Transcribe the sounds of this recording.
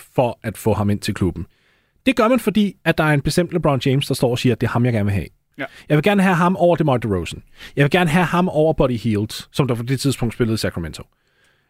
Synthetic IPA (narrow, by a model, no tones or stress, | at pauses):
fɒʔæd̥fɔ̰̽ːhɑ̈me̝n̰t͡sʰe̝lkʰlub̥n̩ | d̥e̝ɡ̥ɶɐmænfɒ̽d̥ḭːæd̥ɑ̈æɐe̝nb̥e̝sd̥em̰d̥ləb̥ʁɑn̥eɪmsd̥ɑ̈sd̥ɒ̰ːɒsiːɐd̥e̝ɐhɑ̈mjɑ̈ɡæɐnʋe̝ɦɛ̰ | jɑɪʋe̝ɡæɐnəɦæɦɑ̈mɒʊ̰ɐd̥e̝mɑd̥əʁoʊsən̩jɑɪʋe̝ɡ̥æɐnəɦæhɑ̈mɒʊ̰ɐb̥ɒɾihiːld̥ssɒ̽md̥ɑpʰɒ̽d̥e̝t͡sʰið̞ˠsb̥ɔ̽ŋ̰d̥sb̥e̝ləð̞̩ˠəsækʰʁɑment͡sʰo